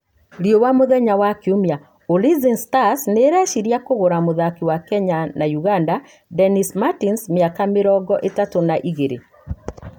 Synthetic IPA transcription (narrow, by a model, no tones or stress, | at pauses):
ɾjowamoðɛɲawakeumja | olizinstasneɾɛʃiɾiakoɣoɾamoðakiwakɛɲanajuɣanda | dɛnismatinsmeakameɾɔɡɔʔetatonaʔiɣeɾḛ